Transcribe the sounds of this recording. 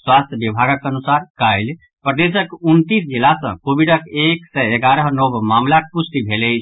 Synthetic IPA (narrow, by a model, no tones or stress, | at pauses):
swast̪ʰjəbibʱaɡəkənusaɾkajl | pɾəd̪esəkunt̪isd͡ʒilasə̰̃kobiɖəkeksɛeɡaɾəɦnɔbmamlakpust̪ibʱelɛjt͡ʃʰ